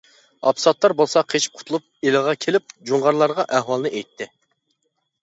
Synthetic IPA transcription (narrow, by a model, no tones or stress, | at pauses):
ɑ̰psɑt̪lˠɑɾbolˠsɑqʰet͡ʃʰi̥p̚qʰʊ̥t̪ʰulˠup̚elɨʁɑkʲʰelɪp̚d͡ʒuɴʁɑɾlˠɑɾʁɑʔæɦwɑlˠnɨʔejt̪ʰːɪ